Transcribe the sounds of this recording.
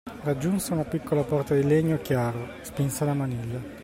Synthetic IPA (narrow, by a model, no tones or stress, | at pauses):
rad͡ʒːunseunapikʰːolapɔrt̪ad̪ileɲːokjaːɾo | spinsalamanilːa